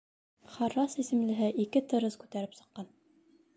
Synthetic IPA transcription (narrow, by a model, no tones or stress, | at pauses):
χɑɾːɑsisɘ̆mlɘ̆ɦɘʔikɘt̪ɤ̆ɾɤskʉt̪æɾɘpsɤ̆qːɑn